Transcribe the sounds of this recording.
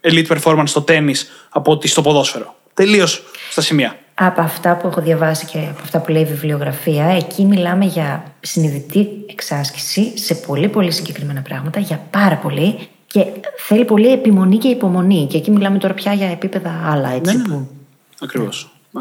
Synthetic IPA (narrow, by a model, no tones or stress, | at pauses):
elit̪ipeɾfo̞ɾmɐnst̪o̞t̪e̞mis | ɐpot̪ist̪opo̞ðo̞sfe̞ɾo | t̪e̞lio̞sst̪ɐsimiɐ | ɐpoɐft̪ɐpue̞xoðʝɐvɐsice̞ɐpoɐft̪ɐpuleivivlio̞ɣɾɐfiɐe̞cʰimilɐme̞ʝɐsiniðit̪ie̞ksɐsci̥sise̞po̞lipo̞lisiɲɟe̞kɾime̞nɐpɾɐɣmɐt̪ɐʝɐpɐɾɐpo̞li | ce̞θe̞lipo̞lie̞pimo̞nice̞ipo̞mo̞nice̞ːcimilɐme̞t̪o̞ɾɐpçɐʝɐepipe̞ðɐɐlɐet͡sipu | ɐkɾivo̰s